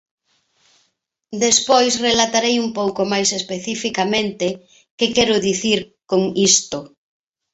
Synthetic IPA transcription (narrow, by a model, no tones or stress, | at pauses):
d̪espojsrelat̪aɾejumpowkomajsespeθifikamẽnt̪ɪ | kekɛɾʊðiθiɾ | koŋist̪ʊ